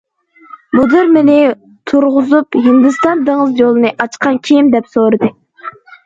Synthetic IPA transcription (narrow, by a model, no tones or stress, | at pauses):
bud̪ɨɾmɪnɪ | t̪ʰuɾʁʊzupɦɪnd̪ɨst̪ɑnd̪əŋəzjolˠɨnɨʔɑt͡ʃqʰɑnkʲʰejmd̪ɛpsoɾɨd̪ɨ